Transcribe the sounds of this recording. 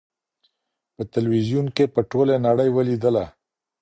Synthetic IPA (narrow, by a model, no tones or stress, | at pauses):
pət̪ɪlwizjunkepəʈolenaɽəjwəlid̪əla